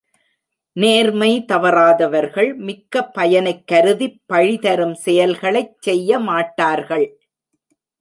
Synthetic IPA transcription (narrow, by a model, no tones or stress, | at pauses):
neːɾmɐɪt̪ɐʋɐɾaːðɐʋɐɾɣɐɭmɪkːɐpːɐjɐnɐɪkːɐɾɯðipːɐɻɪðɐɾɯmsɛjɐlɣɐɭɐɪt͡ʃsɛjːɐmaːʈːaːɾɣɐɭ